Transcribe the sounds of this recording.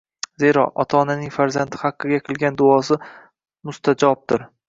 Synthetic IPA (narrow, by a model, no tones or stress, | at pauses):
ze̞ɾɒʔɒ̰t̪ʰaːnanɪŋfaɾzant̪ʰɪhaqːɨɡʲaqʰɨlˠɡʲand̪ʊɒsɪ | mʊst̪ʰad͡ʒɒb̚d̪ɪɾ